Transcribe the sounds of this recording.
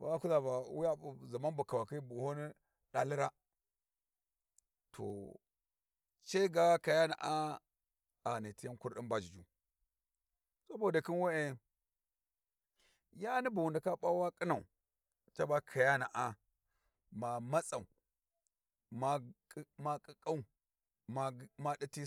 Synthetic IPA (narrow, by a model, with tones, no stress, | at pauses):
ba̰˨a˦ku˦za˨ba˨wu˦ja˦u˨za˨ma˦nbu˨ka˨wa˨ki˦bu˨ho˦ni˦ | da˨li˦ɾa˦ | tʰo̰˨ | t͡ʃe˦ɡa˦ka˨ja˦na̰˨ʔa˦ | a˨ni˨ti˦ja˦nku˦ɾɗi˦nba˦d͡ʒi˨d͡ʒu˨ | sa˦bo˦˨da˨ki˦nwe˦e˦˨ | ja˦ni˦bu˨wu˨nda˨ka˦ɓa˦wa˦kʼi˦na˨ṵ˨ | t͡ʃa˦ba˦kʰa˨ja˦na˨ʔa˨ | ma˨ma˦t͡sa˨u˨ | ma˦ma˦kʼi˦kʼa˦u˦˨ | ma˦ma˦ɗi˦ti˦